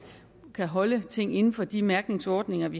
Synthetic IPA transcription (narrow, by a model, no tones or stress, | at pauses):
kʰæɦɒ̽lət͡sʰe̝ŋ̰e̝nn̩fɒ̽d̥imæɐɡ̥ne̝ŋsɒːd̥ne̝ŋɐʋi